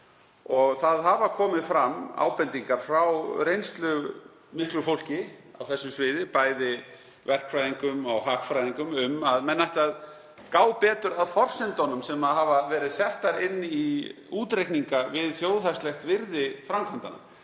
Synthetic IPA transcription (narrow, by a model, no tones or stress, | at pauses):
ɔɣθaðɦavakʰɔːmɪðfɾamːa̰ːwpɛnt̪iŋkaɾ̥fɾawɾejnst̪lʏɣ | mɪhk̪lʏfowl̥cɪa̰wθɛsːʏsvɪːðɪpaːjðɪ | vɛr̥kfɾajðiŋkʏmawɦaːkfɾajðiŋkʏmʏmaðmɛnːajht̪að | kaːwpɛːt̪ʏɾaðfɔr̥sɪnt̪ɔnʏmsɛmaðɦavavɛːɾɪðsɛht̪aɾɪnːi | uːt̪ɾejkniŋkavɪðθjoːwðθast̪lɛxt̪vɪɾðɪfɾawmkʰant̪ana̰